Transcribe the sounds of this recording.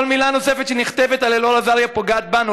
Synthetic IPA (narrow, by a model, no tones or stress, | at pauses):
olmilano̞se̞fet̪ʃeniχt̪evet̪alelolazaljapoɡaːt̪̚banu